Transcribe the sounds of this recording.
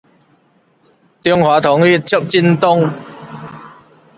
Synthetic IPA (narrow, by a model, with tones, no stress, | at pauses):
t̪i˥˧əŋhwaː˨˥t̪ʰɔ˨˦ŋy˥t̚t͡ɕʰə˥p̚t͡ɕi˥nt̪ʊ˥ŋ